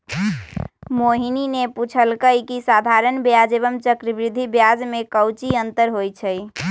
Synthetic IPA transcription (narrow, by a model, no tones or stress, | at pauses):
moɦinineput͡ʃʰəlkəjkisad̪ʱaɾənbjad͡ʒeβəmt͡ʃəkɾibɾid̪ʱːibjad͡ʒmekəwt͡ʃiənt̪əɾɦojt͡ʃʰəj